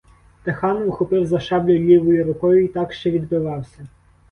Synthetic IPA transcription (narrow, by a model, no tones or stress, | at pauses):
t̪exɑnʋʊxɔpɪwzɐʃɑblʲʊlʲiʋɔjʊɾʊkɔjʊit̪ɑkʃt͡ʃɛʋʲid̪bɪʋɑwsʲɐ